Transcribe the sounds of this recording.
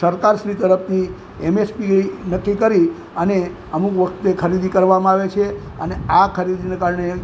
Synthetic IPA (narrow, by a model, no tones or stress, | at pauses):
səɾkaɾʃɾit̪əɾəp̚ʰnʰi | emespinəkːikəɾi | əne | əmukʋəkʰt̪ekʰəɾid̪ikəɾʋamãaʋet͡ʃʰe | əneakʰəɾid̪inekaɾɳe